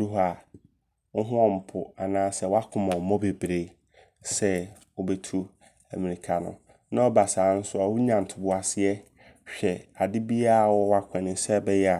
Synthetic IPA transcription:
ɾu˦ɦa˨ | ŋ̩˦ɦʊ̃˦ɔ̃˦˨m̩˨pʰʊ˨a˨nãː˨˦sɛ˦wa˦kʰʊ̃˨mɔ̃˨mɔ̃˦be˨bɾe˨ | sɛ˦ | wɔ˦bɛ˨tʰu˦ | æ˨mĩ˨nĩ˨kʰa˨nʊ̰̃˨ | nã˦ɔ˦ba˨saː˨˦n̩˦sʊ˦a˨wʊ˦ɲã˨n̩˨tʰʊ˨bʊ˨a˨sɪ˦ɛ˦ | ɕᶣɛ˨a˨dɪ˦bi˦a˦˨wɔ˦wa˦kʷʰɛ̃˨nɪ̃˨˦sɛ˦˨bɛ˦jɛ˦a˨

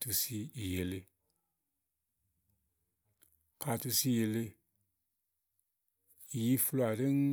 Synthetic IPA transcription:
tu˦si˦i˨je˨le˦ | ka˨tu˦si˦je˨le˦ | i˨ji˦fu˦la˨di˦ŋ

